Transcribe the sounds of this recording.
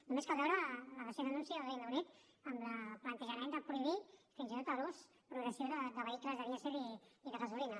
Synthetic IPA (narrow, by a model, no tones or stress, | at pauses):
numeskəβɛɾələβəseðənunsiəðəlˠðijd̪əwnit̪ | əmləplənt̪əʒəmɛnd̪əpɾuiβifinzit̪ot̪alos | pɾuɣɾəsioðəd̪əβəikləzðəβiəseɾiiðəɣəzulinə